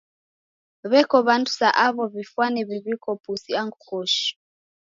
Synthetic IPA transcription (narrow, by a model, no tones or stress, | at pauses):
βɛkɔβantʰu̥saʔaβɔβifwanɛβiβikɔpusiaŋɡukɔʃi̥